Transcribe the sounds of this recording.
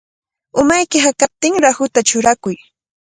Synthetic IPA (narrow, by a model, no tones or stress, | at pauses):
ʊmajkɪɦakap̚t̪ɪŋɾahʊt̪at͡ʃʊɾakʊj